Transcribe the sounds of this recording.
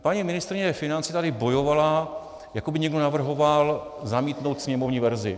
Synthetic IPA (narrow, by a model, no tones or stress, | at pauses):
paɲiːmɪnɪst̪ɾɪɲɛfɪnant͡sɪt̪adɪbo̞jo̞vala | jakobɪɲɛɡdo̞navr̩ɦo̞valzamiːt̪no̞wt̪sɲɛmo̞vɲiːvɛɾzɪ̰